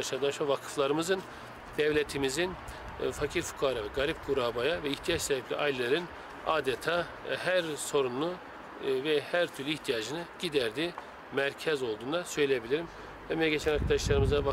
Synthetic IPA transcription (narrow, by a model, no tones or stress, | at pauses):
aʃaɾd̪aʃavakʰɯ̥flˠaɾɯmɯzɯn | d̪̥ɛvlʲet̪ʰimizin | facʰiɾfu̥kʰaːɾavɛɡaɾip̚ɡuɾaːbajavɛiçt̪ʰijat͡ʃsabɛplʲḭʔajlʲlːʲeɾɯn | aːd̪et̪ʰaː | hæɾso̞ɾunu | vɛhæɾt̪ʰyɾlʲyiçt̪ʰijad͡ʒɯnɯɟ̥id̪æɾd̪iː | mæɾcʰɛzo̞lˠd̪uːnd̪asø̞jlʲejebilʲiɾim | hɛmij̪ɛɟet͡ʃʰɛnaɾkʰad̪aʃlˠaɾɯmɯzava